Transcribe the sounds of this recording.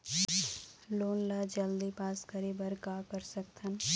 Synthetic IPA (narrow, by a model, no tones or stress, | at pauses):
loːnləd͡ʒəld̪ipaːskəɾebəɾkakəɾsəkt̪ʰən